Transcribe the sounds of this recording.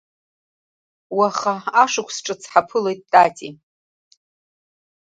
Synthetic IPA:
waχaaʂɨkʷʰsʈ͡ʂʼɨt͡sʰħapʰɨle̞jt̚ʼːat͡sʼi

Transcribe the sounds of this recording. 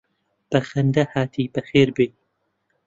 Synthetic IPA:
b̥ɐxɐnd̪ɐhaːt̪ʰiːbɐxeːɾbeː

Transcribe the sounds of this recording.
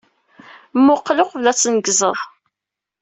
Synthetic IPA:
mːʊqːlʊqvlæt͡sːnəɡzˤəðˤ

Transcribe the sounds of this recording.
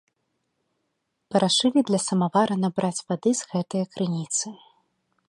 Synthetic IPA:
pɐɾaʂɨlʲid̪lʲɐsɐmavaɾɐnɐbɾʔat͡sʲvad̪ɨz̥ɣɛt̪ɐjɐkɾɨnʲit̪sɨ

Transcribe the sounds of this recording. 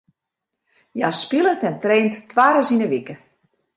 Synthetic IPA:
jaspilˠətɛntreːnttʋaːɾəsinəʋikə

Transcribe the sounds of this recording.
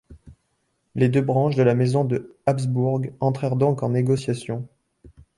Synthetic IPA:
led̪øbʁɑ̃ʃd̪əlamezɔ̃d̪əapsbuʁɡɑ̃t̪χɛʁd̪ɔ̃kɑ̃neɡɔsjasjɔ̃

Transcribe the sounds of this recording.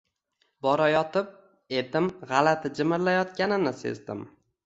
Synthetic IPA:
bɒɾajɒt̪ʰɪp̚ | ed̪ɪmʁɑlat̪ʰɪd͡ʒɪmɪɾlajɒt̪kʲanɪnɪsḛzd̪ɪ̰m

